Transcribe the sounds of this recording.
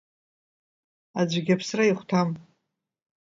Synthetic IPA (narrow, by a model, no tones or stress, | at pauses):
ad͡ʑʷɡʲapʰsraiχʷtʰam